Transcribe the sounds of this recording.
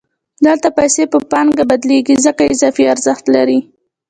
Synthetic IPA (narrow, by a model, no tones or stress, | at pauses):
d̪əlt̪apajsepəpɑŋɡabad̪leɡizəkaɪzɑfiaɾzəxt̪laɾi